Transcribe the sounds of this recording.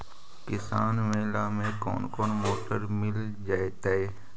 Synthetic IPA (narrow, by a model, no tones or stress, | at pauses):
kɪsaːnmẽlaːmẽkɔ̰ːnkɔːnmoːʈəɾmɪl | d͡ʒaːet̪aeː